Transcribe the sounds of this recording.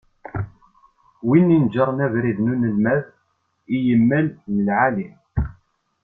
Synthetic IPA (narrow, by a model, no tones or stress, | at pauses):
winːind͡ʒəɾˤnævɾiðnunəlmæð | ijəmːælnəlʕalim